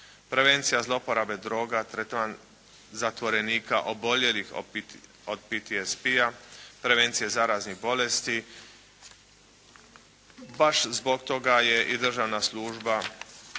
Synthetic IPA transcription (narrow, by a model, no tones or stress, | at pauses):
pɾe̞ʋent̪sijazlˠo̞poɾabe̞d̪ɾo̞ːɡat̪ɾet̪ʋan | zat̪ʋo̞ɾe̞niːka̰ʔobo̞ʎelix | od̪̚pit̪iespiapɾe̞ʋeːnt̪sijezaɾazniɣbo̞lest̪i | baʃzbo̞kt̪o̞ɡaje̞ʔid̪r̩ʒanasluːʒba